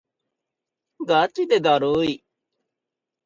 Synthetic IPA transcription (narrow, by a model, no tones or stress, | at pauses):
ɡat̪id̪ed̪aːɾoːi